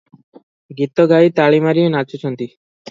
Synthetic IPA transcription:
ɡit̪ːoɡait̪aɭimaɾienat͡ɕot͡ɕʰɔnt̪i

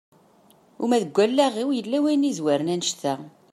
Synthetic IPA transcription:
umæðəɡʷːælːæʁiwjəlːæwijnizwæɾnænʃθæ

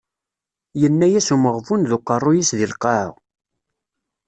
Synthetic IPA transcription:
jənːæjæsuməʁvunðuqːərˤːʊjisðilqɑʕ̰ʁ

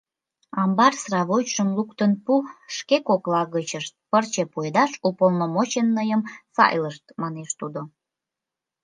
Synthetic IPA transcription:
ɑmbɑrsrɑβojʃəmlukt̪ənpuʃkekoklɑɣət͡ɕəʃt̪̚pərt͡ɕepued̪ɑʃupolnomot͡ɕenːəjəmsɑ̰jləʃt̪mɑneʃt̪ud̪o

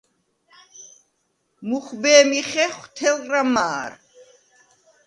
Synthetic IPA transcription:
muχbɛːmiχɛχt̪ʰɛlramaːɾ

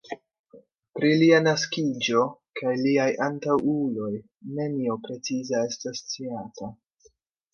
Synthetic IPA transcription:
pɾilianaskid͡ʒo̞kʰajliajʔantawulo̞j | ne̞niopɾe̞t͡sizae̞stast͡siatʰa

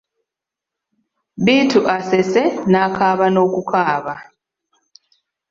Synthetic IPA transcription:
βiːtuʔasesenakʰaːβano̞ːkukʰaːβa

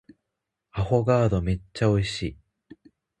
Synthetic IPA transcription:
aho̞ɡaːd̪o̞me̞t͡ɕːao̞iɕiː

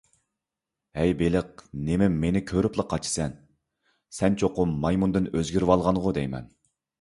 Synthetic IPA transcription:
hɛjbelɪq̚nemɪmenɪkʲʰøɾyplˠəqʰːɑt͡ʃʰi̥sɛn | sɛnt͡ʃʰoqːʊmmɑjmund̪ɨnøzɡʲyɾwɑlˠʁɑnʁʊd̪ɛjmɛ̰n

